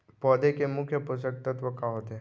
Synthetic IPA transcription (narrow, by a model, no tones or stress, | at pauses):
pɔd̪ekemukʰjəpusək̚t̪ət̪ʋəkaɦot̪e